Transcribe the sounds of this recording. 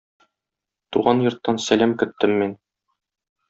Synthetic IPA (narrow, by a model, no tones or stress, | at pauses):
t̪uʁɑnjŏɾt̪ːɑnsælæmkɵ̆t̪ːɘmːin